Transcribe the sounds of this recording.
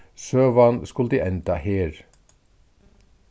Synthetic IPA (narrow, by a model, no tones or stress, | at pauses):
søːʋɑnskʉld̪iːʔɛnt̪ɑheːɾ